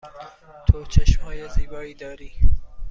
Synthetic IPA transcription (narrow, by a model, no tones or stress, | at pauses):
t̪ʰot͡ʃʰeʃmɒːjeziːbɒːiːd̪ɒːɾiː